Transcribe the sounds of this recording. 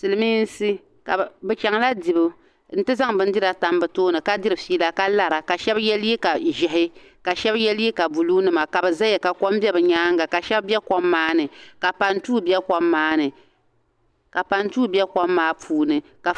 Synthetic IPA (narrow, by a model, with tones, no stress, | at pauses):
sɨ˨lɨ˦miː˦n˦si˦ | ka̰˨bɨ˨t͡ʃa˨ŋla˦di˨bɨ˦ | n̩˨˦tɨ˦za˦ŋbɨ˦n̩˦dɪ˦ɾa˨ta˨mbɨ˨toː˦nɨ˨ka˦di˦ɾɨ˨fiː˦la˦ka˦la˦ɾa˨ka˨ʃɛ˦bjɛ˦lje˦ka˨ʒɪ˨ɦɪ˦ | ka˨ʃɛ˦bjɛ˦lji˦ka˨bu˨luː˦nɨ˦ma˨ka˨bɨ˨za˦jɛ˨ka˨kɔ˦mbɛ˦bɨ˨ɲaː˦ŋɡa˨ka˨ʃɛ˦bbɛ˦kɔ˦mːaː˦nɨ˨ka˨pa˨ntuː˦bɛ˦kɔ˦mːaː˦nɨ˨ | ka˨pa˨ntuː˦bjɛ˦kɔ˦mːaː˦pʰuː˦nɨ˨ka˨